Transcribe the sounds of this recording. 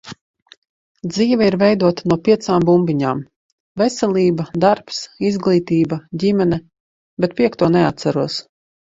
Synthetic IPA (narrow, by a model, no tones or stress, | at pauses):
d̪ziːvɛiɾvɛjd̪uɔt̪anuɔpʲiɛt̪saːmbumbʲiɲaːm | vɛsʲɛlʲiːbad̪aɾpsizɡlˠiːt̪iːbadʲimʲɛnɛ | bɛt̪̚pʲiɛkt̪uːɔnɛat̪saɾuɔs